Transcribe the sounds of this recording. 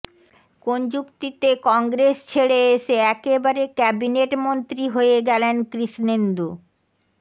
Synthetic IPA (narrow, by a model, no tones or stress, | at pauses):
kond͡ʑukt̪it̪ekɔŋɡɾest͡ɕʰeɽeeʃeɛkebaɾekɛbineʈmont̪ɾiɦoeɡɛlenkɾiʃnend̪u